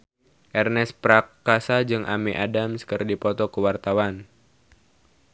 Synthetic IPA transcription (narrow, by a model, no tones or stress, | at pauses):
ʔɛrnɛspɾakːasad͡ʒɨŋʔa̰miʔadamskɨrdipɔt̪ɔkəwart̪awan